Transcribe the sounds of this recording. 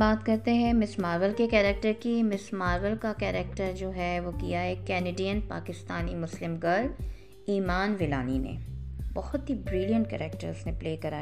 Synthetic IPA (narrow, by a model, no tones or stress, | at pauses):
baːt̪kɐɾt̪eɦɛ̃mɪsmaːɾʋəlkekɛːɾɛk̚ʈəɾkimɪsmaːɾʋəlkakɛːɾɛːk̚ʈəɾd͡ʒoːɦɛʋokijaɦɛkɛːneːɖijənpa̰ːkɪst̪aːnimʊslɪmɡəɾ | iːmaːnʋɪlaːninḛbɔɦɔt̪ɦibɾɪlijə̃ɳʈkɛ̰ːɾɛːk̚ʈə̰ɾznẽpleːkɐɾaː